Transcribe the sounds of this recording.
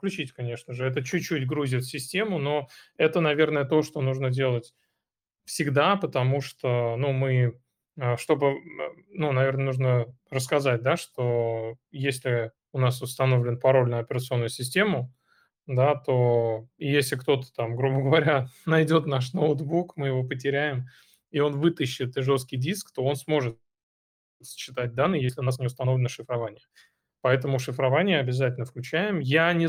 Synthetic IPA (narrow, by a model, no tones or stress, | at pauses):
fklʲʉt͡ɕitʲkɐnʲe̞ʂnəʐɨɛt̪̬ət͡ɕʉːutʲɡɾuzʲɪt̪sʲɪsʲtʲe̞mʊno̞ɛt̪ənɐvʲe̞rnəjət̪o̞ʂt̪o̞nuʐnədʲelˠətʲ | fsʲɪɡd̪apət̪ɐmuʂt̪onumɨ | əʂt̪o̞bɨ̰nunɐvʲernənuʐnə | rəskɐzat̚ʲd̪aʂt̪o̞jesʲlʲɪ | ʊnasʊst̪ɐno̞vlʲɪnpɐɾo̞lʲnʊjʊɐpʲɪɾət̪sɨo̞nːʊjʊsʲɪsʲtʲe̞mʊ | d̪at̪o̞ijesʲlʲɪkt̪o̞t̪ə̥t̪amɡɾubəɡəvɐɾʲanɐjdʲo̞t̪naʂ̬noʊt̪bukmɨjɪvo̞pətʲɪɾʲæjɪm | ɪo̞nvɨt̪əɕːɪt̪ɨʐo̞skʲɪjdʲiskt̪o̞o̞nsmo̞ʐɨt̪ | sɕːɪt̪at̚ʲd̪anːɨjesʲlʲɪʊnas̬nʲɪʊst̪ɐno̞vlʲɪnəʂɨfɾɐvanʲɪjə | pɐɛt̪əmʊʂɨfɾɐvanʲɪjəɐbʲɪzatʲɪlʲnəfklʲʉt͡ɕæjɪmjanʲɪ